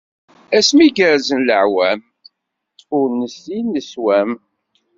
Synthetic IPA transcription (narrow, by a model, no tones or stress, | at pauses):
æsmiɡəɾzənləʕwæm | ʊɾnəsinːəswæm